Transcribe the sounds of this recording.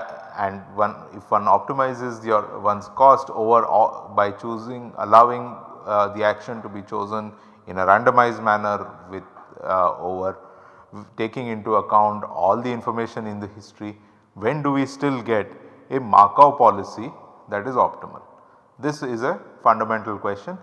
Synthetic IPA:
ɛ̃ɳɖʋʌ̃n | ɪfʋʌ̃nɔːp̚ʈɪmaɪzɪzd̪iʋʌ̃nskɔːsʈoːʋəɾɔ̰ːbaɪt͡ʃuːzɪ̃ŋə̰laʊʋɪ̃ŋd̪iækʃə̃nʈubit͡ʃoːzə̃n | ɪ̃nəɾæ̃ɳɖəmaɪzɖmænəɾʋɪd̪̚ | oːʋəɾ | ʈeːkɪ̃ŋɪ̃ɳʈuɐkãʊ̃ɳʈɔ̰ːld̪iɪ̃nfɔɾmeːʃə̃nɪ̃nd̪əhɪsʈɾi | ʋẽnɖuʋisʈɪlɡɛʈ | ema̰ːkaʊpɔlɪsid̪æʈɪzɔːpʈɪmə̰l | d̪ɪsɪzefʌ̃ɳɖəmɛ̃ɳʈəlkwɛst͡ʃə̃n

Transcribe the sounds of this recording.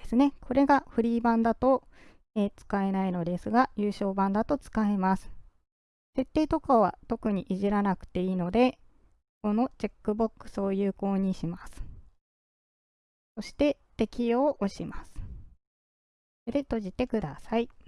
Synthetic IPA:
esɨne̞kʰo̞ɾe̞ɡaɸɯ̟ɾʲiːbãnd̪at̪o̞ | et͡sɨ̥kae̞naino̞d̪e̞sɨɡajɯ̟ːɕo̞ːbãnd̪at̪o̞t͡sɨ̥kaemasɨ̥ | se̞t̪ːe̞ːt̪o̞kaβ̞a̰t̪o̞kɯ̟ɲ̟iʔiʑiɾanakɯ̟̥t̪e̞iːno̞d̪e̞ | ko̞no̞t͡ɕekːɯ̟bo̞kːɯ̟̥so̞ːjɯ̟ːko̞ːɲ̟iɕimasɨ̥ | so̞ɕi̥t̪e̞ | t̪e̞kʲijo̞ːʔoɕimasɨ̥ | ed̪e̞t̪o̞ʑit̪e̞kɯ̟d̪asai

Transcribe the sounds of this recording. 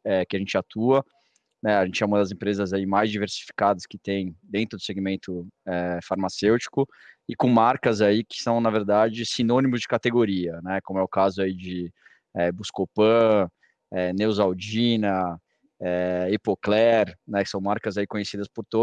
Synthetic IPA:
ɛkɪaʒẽnt͡ʃɪat̪uɐ | nɛaʒẽnt͡ʃɪɛũmɐd̪ɐzẽpɾezɐzaimajzd͡ʒiveɾsi̥fi̥kad̪ɐskɪt̪ẽj̃d̪ẽnt̪ɾʊd̪ʊ̥seɡimẽnt̪ʊɛfaɾmasewt͡ʃi̥kʊ | ɪkõmaɾkɐzaikɪ̥sɐ̃w̃nɐveɾd̪ad͡ʒɪsinõnimʊzd͡ʒɪkat̪eɡoɾiɐnɛkõmʊɛʊkazʊaid͡ʒɪ | ɛbuskopɐ̃ | ɛnewzawd͡ʒĩnɐ | ɛepoklɛɾnɛkɪ̥sɐ̃w̃maɾkɐzaikõɲesid̪ɐspʊɾt̪o

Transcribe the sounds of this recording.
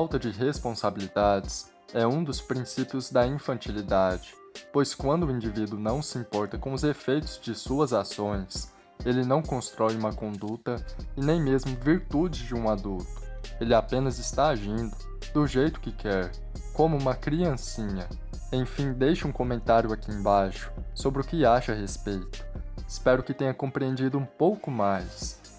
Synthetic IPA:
fawt̪ɐd͡ʒɪɦespõsabilid̪ad͡ʒɪs | ɛũd̪ʊspɾĩsipjʊzd̪ɐĩfɐ̃nt͡ʃilid̪ad͡ʒɪ | pojskwɐ̃nd̪ʊːĩnd͡ʒivid̪ʊnɐ̃w̃sɪĩmpɔɾt̪ɐkõw̃ʊzefejt̪ʊzd͡ʒɪsuɐzasõj̃s | elɪnɐ̃w̃kõst̪ɾɔjũmɐkõnd̪ut̪ɐɪnẽj̃mezmʊviɾt̪ud͡ʒɪzd͡ʒɪũad̪uwt̪ʊ̥elɪapẽnɐzɪst̪aaʒĩnd̪ʊ | d̪ʊʒejt̪ʊ̥kɪkʰɛɾ | kõmʊũmɐkɾiɐ̃sĩɲɐ | ẽj̃fĩd̪ejʃɪũkõmẽnt̪aɾjʊakiẽj̃bajʃʊ̥sobɾɪʊkɪaʃɐhespejt̪ʊ̥ɪspɛɾʊkɪt̪ẽɲɐkõpɾiẽnd͡ʒid̪ʊũpowkʊmajs

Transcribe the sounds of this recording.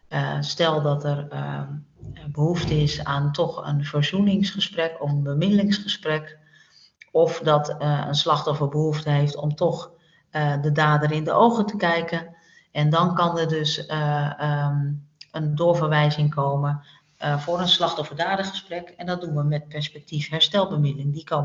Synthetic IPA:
stɛlˠdɔtɛr | bəhuftəɪsaːntʰɔxə̰nvərzunɪŋsχəsprɛkɔfənbəmɪdəlɪŋsχəsprɛk | ɔfdɔtə̰nslɑxtɔfərbəɦuftəɦeftɔ̰mtʰɔx | dədaːdərɪndə̰ʔowɣətəkɛjkən | ɛndɔnkɑnədøs | əndʊːɹvərʋɛjzɪŋkʰoːmə | voːɾənslɑxtɔfərdaːdəχəsprɛkɛndɔt̚dunʋəmɛt̚pɛɹspɛk̚tifɦɛɹstɛlˠbəmɪdəlɪŋdikoː

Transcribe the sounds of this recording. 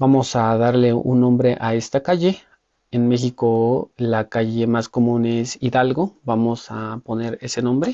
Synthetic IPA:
bamosaðaɾleṵnːõmbɾeʔaest̪akaʝe | enmexikolakaʝemaskomũnesiðalɡobamosaponeɾesenõmbɾe

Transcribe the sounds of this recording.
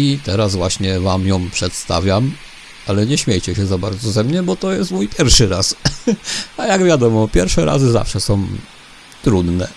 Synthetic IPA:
it̪ɛɾasvwaɕɲɛvamjɔ̃w̃pʂɛt̪st̪a̰vʲjam | alɛɲɛɕmʲejt͡ɕɛɕɛzabaɾd̪zɔzɛmɲɛbɔt̪ɔjɛst̪mujpʲjɛɾfʂɘɾas | ajaɡvʲjad̪ɔmɔpʲjɛɾfʂɛɾa̰zɘza̰fʂɛsɔ̃w̃ | t̪ɾud̪nɛ̰

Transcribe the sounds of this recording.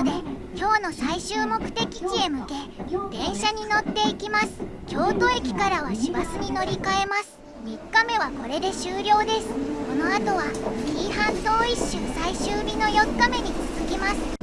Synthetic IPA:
d̪e̞ | kʲo̞ːno̞saiɕɨːmo̞kɯ̟̥t̪e̞kʲi̥t͡ɕie̞mɯ̟ke̞d̪̥ẽ̞ɰ̃ɕaɲ̟ino̞t̪ːe̞ikʲimasɨ̥kʲo̞ːt̪o̞ekʲi̥kaɾaβaɕibasɨɲ̟ino̞ɾʲikae̞masɨ̥ | mʲikːame̞βako̞ɾe̞d̪e̞ɕɨːɾʲo̞ːd̪e̞sɨ̥ko̞no̞at̪o̞βakʲiːhãnt̪o̞ːiɕːɨːsaiɕɨːbʲino̞jo̞kːame̞ɲ̟it͡sɨzɨkʲimasɨ̥

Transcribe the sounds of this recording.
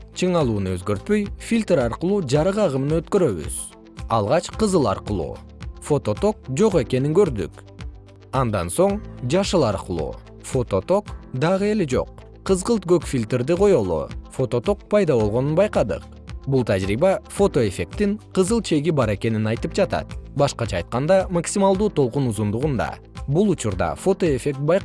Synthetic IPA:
t͡ʃʰɯɴɑlˠuːnuøzɡø̞ɾt̪̚pø̞jfʲilʲt̪ɾɑɾqəlˠuːd͡ʒɑɾɯʁɑʁɯmɯnɯø̞t̪køɾø̞βy̰z̥ | ɑ̰lˠʁɑt͡ʃqɯzɯlˠɑ̰ɾqəlˠṵː | fo̞t̪o̞t̪o̞k̚d͡ʒo̞ʁe̞ke̞niŋɡøɾd̪y̰k | ɑnd̪ɑ̰nso̞ɴd͡ʒɑʃɯlˠɑɾqɯlˠṵː | fo̞t̪o̞t̪o̞kd̪ɑʁɯe̞led͡ʒo̞̰q̚ʰː | ɯzʁɯlˠt̪̚ɡøkfʲilʲt̪eɾd̪iqʰo̞jo̞lˠṵfo̞t̪o̞t̪o̞k̚pʰɑjd̪ɑβo̞lˠʁo̞nunbɑjqɑd̪ɯ̰q | bulˠt̪ʰad͡ʒɾibɑfo̞t̪o̞e̞fʲe̞k̚t̪iŋqɯzɯlˠt͡ʃʰe̞ɡibɑɾe̞ke̞ninɑjt̪ɯp̚d͡ʒɑt̪ɑ̰t̪bɑʃqɑt͡ʃɑjt̪̚qɑnd̪ɑmaksʲimɑlˠd̪uːt̪ʰo̞lˠqunuzund̪uʁund̪ɑ̰ | bulˠut͡ʃuɾd̪ɑ̰fo̞t̪o̞e̞fʲe̞k̚t̪̚bɑj

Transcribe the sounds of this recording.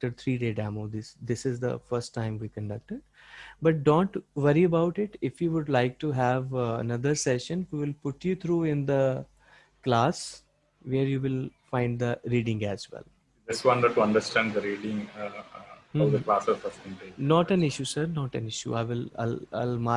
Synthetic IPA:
ʈəɖ̚t̪ʰɾiːɖeːɖæmoːd̪ɪsd̪ɪsɪzd̪ə̰fəɾsʈːãɪ̃mʋiːkə̃ɳɖʌk̚ʈɪɖ | bʌʈ̚ɖõːɳʈʋʌɾiəbaʊʈɪʈɪfjuːʋʊɖlaɪk̚ʈuɦæʋə̰nʌd̪əɾsɛʃə̃nʋiʋɪlpʊʈjut̪ʰɾuːɪ̃nd̪ə | klaːs | ʋeːɾjuːʋɪlfãɪ̃ɳɖ̚d̪əɾiːɖɪ̃ŋæzʋɛ̰l | ɪsʋʌ̃nəʈuɐ̃ɳɖəɾsʈæ̃ːɳɖd̪əɾiːɖɪ̃ŋ | ɔʋd̪əklaːsɔfəsʈɪ̃ŋɖenɔːʈɛ̃nɪʃjusəɾnɔːʈɛ̰̃nɪʃjṵaɪʋɪla̰ɪla̰ɪlma

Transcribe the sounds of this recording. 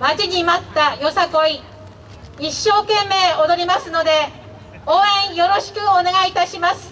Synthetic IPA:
mad͡ʑiɲimat̪ːajo̞sako̞i | iɕːo̞ːkẽ̞mːe̞ːod̪o̞ɾʲimasɨno̞d̪e̞ | oːẽ̞ɰ̃jo̞ɾo̞ɕi̥kɯ̟one̞ɡait̪aɕimasɨ̥

